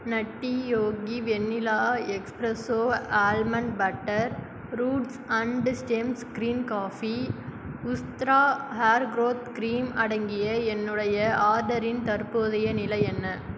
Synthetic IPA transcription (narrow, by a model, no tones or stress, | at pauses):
nɐʈːijoːɡiʋɛnːɪlaːɛkspɾɐsoːaːlmɐnbɐʈːɐɾ | ɾuːɖsɐɳɖsʈeːmskɾiːnkaːfi | ʊst̪ɾaːhaːɾɡɾoːt̪kɾiːmɐɽɐŋɡɪjɐɛnːɯɽɐjɐaːɾɖɐɾɪnt̪ɐɾpoðɐjɐnɪlɐɪɛnːɐ